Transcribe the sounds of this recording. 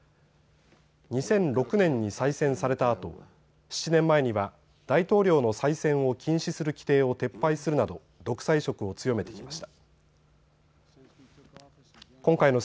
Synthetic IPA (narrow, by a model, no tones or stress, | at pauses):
ɲ̟isẽ̞nɾo̞kɯ̟nẽ̞ɲ̟ːisaisẽ̞ɰ̃saɾe̞t̪aːt̪o̞̰ | ɕi̥t͡ɕinẽ̞mːae̞ɲ̟iβa | d̪̥ait̪o̞ːɾʲo̞ːno̞saisẽ̞ɰ̃o̞kʲĩɰ̃ɕisɨɾɯ̟kʲi̥t̪e̞ːo̞t̪e̞pːaisɨɾɯ̟nad̪o̞ | d̪o̞kɯ̥saiɕo̞kɯ̟o̞t͡sɨjo̞me̞t̪e̞kʲimaɕi̥t̪ḁ | kõ̞ŋkaino̞